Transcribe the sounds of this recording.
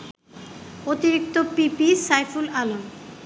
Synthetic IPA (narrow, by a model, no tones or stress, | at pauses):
ot̪iɾik̚t̪opipisajfulalom